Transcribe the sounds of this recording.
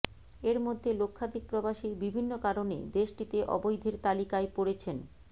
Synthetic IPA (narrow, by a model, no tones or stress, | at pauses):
eɾmod̪ʱːelokʰːad̪ik̚pɾobaʃibibʱinːokaɾonḛd̪eʃʈit̪eʔɔ̰bojd̪ʱeɾt̪alikaepoɽet͡ɕʰen